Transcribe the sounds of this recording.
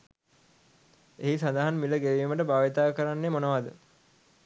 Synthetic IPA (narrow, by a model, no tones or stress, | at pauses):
eɦisand̪aɦanmiləɡeʋiːməʈəbaːʋit̪aːkəɾanːemonəʋad̪ə